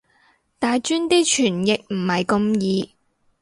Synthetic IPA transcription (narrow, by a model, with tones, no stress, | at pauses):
t̪aː˨jt͡ʃyː˥nt̪iː˥t͡ʃʰyː˨˩njɪ˨k̚m̩˨˩hɐ˨jkʊ˧mjiː˨˧